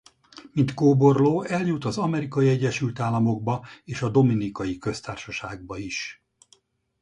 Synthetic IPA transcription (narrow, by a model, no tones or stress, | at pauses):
mint̪koːbo̞rloːɛljut̪ɒzɒmɛɾikɒjiɛɟːɛʃylt̪aːlːɒmo̞ɡ̚bɒeːʃɒd̪o̞minikɒjikø̞st̪aːrʃɒʃaːɡ̚bɒiʃ